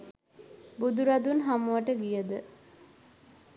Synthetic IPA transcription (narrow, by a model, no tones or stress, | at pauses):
bud̪uɾad̪unɦamuʋaʈəɡijəd̪ə